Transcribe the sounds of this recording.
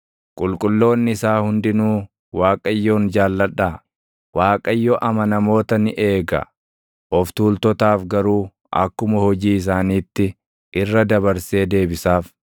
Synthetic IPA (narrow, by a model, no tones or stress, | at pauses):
kʼʊlkʼʊlːo̞ːnːɪɪsaːhʊnd̪ɪnuː | waːkʼɐjːoːnd͡ʒaːlːɐᶑaː | waːkʼɐjːɔʔɐmɐnɐmo̞ːt̪ɐnɪʔe̞ːɡɐ̰ | ʔɔft̪uːlt̪ɔt̪aːfɡɐɾuː | ʔɐ̰kːʊmɐhɔd͡ʒiːɪs̬aːniːt̪ːɪ | ʔɪrːɐd̪ɐbɐɾse̞ːd̪e̞ːbɪsaːf